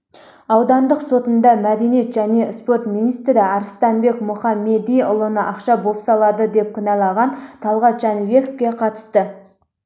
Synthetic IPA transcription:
ɑwd̪ɑnd̪əqso̞t̪ənd̪ɑmæd̪e̞nijet̪ʒæne̞spo̞ɾt̪minijst̪ɾɪɑɾəst̪ɑnbe̞kmʊχɑmːe̞d̪ijʊlˠənəʔɑqʃɑbo̞psɑlˠɑd̪əd̪e̞p̚kʰʲɪnɑlˠɑʁɑnt̪ʰɑlˠʁɑt̪ʒ̥ɑnive̞ko̥fkʲe̞qʰɑt̪ə̥st̪ə

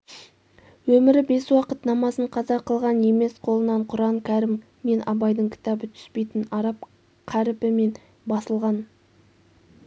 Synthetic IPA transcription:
wɵmɪɾɪbe̞swɑqət̪nɑmɑsəɴqʰɑzɑqʰːəlˠʁɑne̞me̞sqʰo̞lˠənɑɴqʰʊɾɑɴkʲʰæɾɪmː | e̞nɑ̰bɑjd̪əɴkʲʰɪ̥t̪ɑbət̪ʰʏ̥spe̞jt̪ɪnɑɾɑp̚ | qʰæɾɪpɪme̞n | bɑsəlˠʁɑn

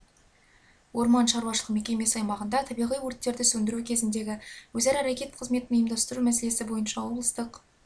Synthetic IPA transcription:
wo̞ɾmɑnʃɑɾwɑʃ̬əlˠəqme̞kʲe̞me̞sɑjmɑʁənd̪ɑt̪ʰɑbijʁijwoɾt̪ːe̞ɾd̪ɪsɵnd̪ɪɾukʲʰe̞zɪnd̪e̞ɡʲɪwɵzæɾæɾakʲe̞t̪qʰəzme̞t̪ɪnʏjəmd̪ɑst̪əɾumæs̬e̞le̞sɪbo̞jənʃɑwo̞blˠəst̪əq

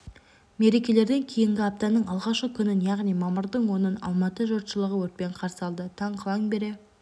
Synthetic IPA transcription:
me̞ɾe̞kʲe̞le̞ɾd̪e̞ŋkʲʰe̞jɪŋɡʲɪɑp̚t̪ɑnəɴɑlˠʁɑʃqəkʲʰʏnɪnjɑʁnijmɑməɾd̪əɴwo̞nənɑ̰lˠmɑt̪əʒot̪ʃəlˠəʁəwɵɾt̪̚pe̞ɴqʰɑɾsəɑlˠd̪ət̪ʰɑɴqʰəlˠɑŋbe̞ɾe̞

